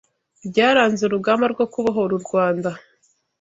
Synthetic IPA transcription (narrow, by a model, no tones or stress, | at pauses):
bɟaːɾaːnzeuɾuɡaːmaɾɡwokuβaɦo̞ɾuɾɡwaːnda